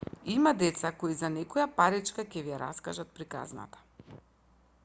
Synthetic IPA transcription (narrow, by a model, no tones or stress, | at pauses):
imad̪ɛt̪sakoizanɛkɔjapaɾit͡ʃkacɛvijaɾa̰skaʒat̪̚pɾika̰zna̰t̪ḁ